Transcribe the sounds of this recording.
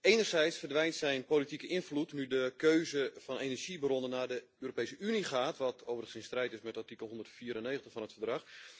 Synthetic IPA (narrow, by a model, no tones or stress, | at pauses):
eːnərzɛjtsfərdʋɛjntsɛjnpoːlitikəʔɪnflutnydəkøːzəfɔneːnəɹʒibərondənaːdə | øːɾopejsəʔyniχaːtʰʋɔtʰoːvərəəsɪnstrɛjtɪsmɛtartikəlˠɦondərtfiːəɾənːeːɣəntəχfɔnətfərdrɑx